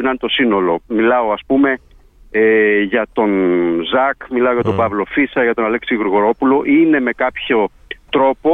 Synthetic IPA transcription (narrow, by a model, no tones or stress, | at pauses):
nɐnt̪o̞sino̞lo̞milɐo̞ɐspume̞ | ʝɐt̪o̞nzɐkmilɐo̞ʝɐt̪o̞bɐvlo̞fisɐʝɐt̪o̞nɐleksiɣuɾɣoɾo̞pulo̞ʔine̞me̞kɐpço̞t̪ɾo̞po